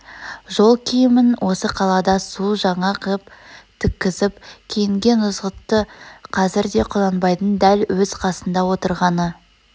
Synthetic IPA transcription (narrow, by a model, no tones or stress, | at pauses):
ʒo̞lˠkʲʰijɪmɪnwʔo̞səqʰɑlˠɑd̪ɑsuʒɑɴɑqʰəpt̪ʰɪkʲːɪzɪpkʲʰejɪŋɡʲe̞nʊzʁət̪ːəqʰɑzɪɾd̪e̞qʰʊlˠɑnbɑjd̪ənd̪ælwɵz̥qʰɑsənd̪ɑwo̞t̪əɾʁɑnə